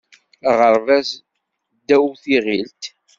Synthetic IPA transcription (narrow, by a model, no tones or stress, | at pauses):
ʁəɾvæs | d̪ːæwθiʁilt̪